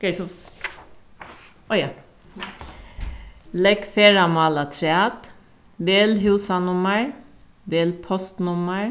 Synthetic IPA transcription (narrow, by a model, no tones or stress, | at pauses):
kesɔ | ɔjɑ | lɛkfeːɹɑmɑːlɑt̪ʰɾɛɑːt̪ | beːlɦʉːsɑnʊməɹ | beːlpʰɔst̪nʊməɹ